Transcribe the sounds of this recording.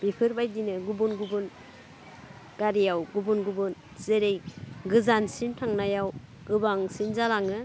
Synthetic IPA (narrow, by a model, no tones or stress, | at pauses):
bipʰɯɾbajdinɯɡubunɡubun | ɡ̥aɾijawɡubunɡubun | z̥eɾejɡɯzansintʰaŋnajaw | ɡɯbaŋsinzalaŋɯ